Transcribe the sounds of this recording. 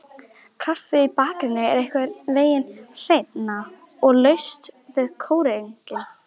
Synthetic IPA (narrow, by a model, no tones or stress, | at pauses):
kʰafɪipaːkɾɪnːɪɛɾɛhkvɛɾveːjɪnr̥ejt̪na | ɔɣlœɥst̪vɪðkʰoːwɾɪeŋkla